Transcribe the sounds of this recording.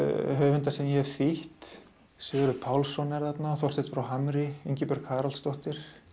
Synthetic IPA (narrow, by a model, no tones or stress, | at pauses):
ɦœːvʏnt̪asɛmjɛhɛvθiht̪ | sɪːɣɾʏpʰawlsɔnɛɾðat̪naθɔr̥t̪ɪht̪fɾawɦamɾɪiɲcɪpœɾkʰaːɾalst̪ɔht̪ɪɾ̥